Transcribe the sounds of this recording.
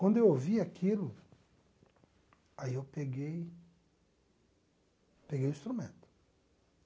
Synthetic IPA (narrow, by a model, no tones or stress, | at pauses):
kwɐ̃nd̪ʊewoviakʰilʊ | aiewpeɡej | peɡejʊĩst̪ɾumḛ̃nt̪ʊ̥